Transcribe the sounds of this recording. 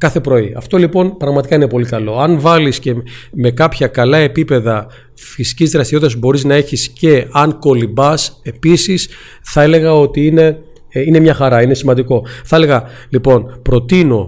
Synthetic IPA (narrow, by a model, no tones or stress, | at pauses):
kɐθe̞pɾo̞iɐ̰ft̪o̞lipo̞npɾɐɣmɐt̪ikɐine̞po̞likɐlo̞ɐnvɐlisce̞me̞kɐpçɐkɐlɐe̞pipe̞ðɐ | fisi̥cizðɾɐst̪iɾot̪t̪ɐsbo̞ɾiznɐe̞çisce̞ɐŋko̞libɐse̞pisis | θɐe̞le̞ɣɐo̞t̪iine̞ | ine̞mɲɐxɐɾɐine̞simɐnd̪iko̞θɐe̞le̞ɣɐ | lipo̞npɾo̞t̪ino̞